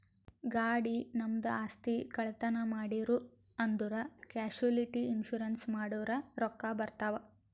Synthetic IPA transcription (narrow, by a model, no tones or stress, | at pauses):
ɡaːɽinɐmd̪ɐaːst̪ikɐɭt̪ɐnɐmaːɽiɾu | ɐnd̪uɾɐkaːʃuliʈiːnʃuɾɐnsmaːɽuʋɐɾɐɾɔkːabɐɾt̪aːʋɐ